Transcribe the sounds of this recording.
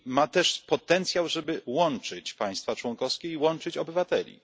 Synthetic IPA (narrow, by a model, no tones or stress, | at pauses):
mat̪ɛʂpɔt̪ɛnt̪sʲjawʐɛbɘwɔnt͡ʂɘt͡ɕpaj̃st̪fat͡ʂwɔŋkɔfskʲɛiwɔnt͡ʂɘt͡ɕɔbɘvat̪ɛlʲḭ